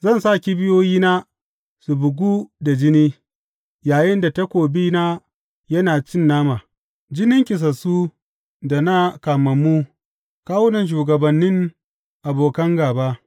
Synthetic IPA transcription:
zɐ˦˨nsaː˦˨kʲi˦bɪ˦joː˦jiː˦na˦ | su˨bʊ˨ɡʷuː˦da˨d͡ʒɪ˦niː˦ | jaː˨jɪ˦nda˨ta˦kʷoː˨biː˦na˦ | jɐ˦naː˨t͡ʃɪ˦˨nːaː˦maː˨ | d͡ʒɪ˦nɪ˦ŋkʲɪ˨s̬ɐ˨su˦ | da˨na˦kaː˨mɐ˨mu˦ | kaː˦wʊ˦nɐ˨nʃ̬uː˨ɡɐ˨bɐ˨nːɪ˦ŋ | ʔa˨boː˨kɐ˦ŋɡaː˨ba˦

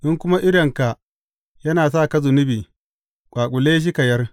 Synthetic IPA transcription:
ʔɪ˦ŋkʷʊ˦ma˦ʔɪ˦ɽɐ˨ŋka˨ʔ | jɐ˦naː˨s̬aː˦˨kɐ˦zʊ˨nɪ˦biː˨ | kʷʼaː˨kʷʼʊ˨leː˦ʃ̬i˦kɐ˨jɐ˦r

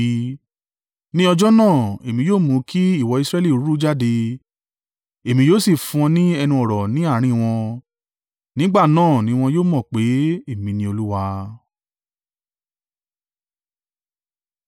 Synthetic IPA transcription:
nĩ˦ɔ˧d͡ʒɔ˦nãː˦˨e˨mĩ˧joː˦˨mũ˨˧˦kʰi˦i˦˨wɔ˧i˧sɾɛ˦li˦˨˦ɾu˦d͡ʒa˦de˧ | e˨mĩ˧joː˦˨si˦˨fũ˧ɔ̃˧nĩ˦ɛ˧nũ˧ɔ˨ɾɔ˨nĩ˨˦a˦˨ɾ̃ĩ˧w̃ɔ̃˧ | nĩ˨˦ɡ͡ba˦˨nãː˦˨nĩ˨˦w̃ɔ̃˧joː˦˨mɔ̃˦˨k͡pe˨˦e˦˨mĩ˧nĩ˧o˧lu˦wa˧

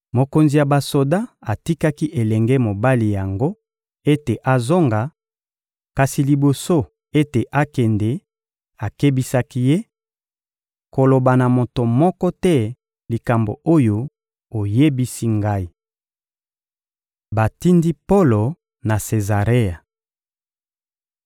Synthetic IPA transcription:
mo˨ko˨nzi˨ja˨ba˨so˨da˦a˨ti˦ka˦ki˦ʔe˨lɛ˨ŋɡɛ˦mo˨ba˦li˨ja˨ŋɡo˦ | e˦te˨ʔa˨zo˦ŋɡa˨ | ka˨si˨li˨bo˨so˦ | e˦te˨ʔa˦kɛ˨nde˨ | a˨ke˦bi˦sa˦ki˦je˦ | ko˨lo˨ba˨na˨mo˨to˨mɔ˦kɔ˦tɛ˦ | li˨ka˨mbo̰˨o˦jo˦ | o˨je˦bi˦si˦ŋɡa˦i˦ | ba˨ti˦ndi˦po˦lo˨ | na˨se˨za˨ʁe˦ja˨

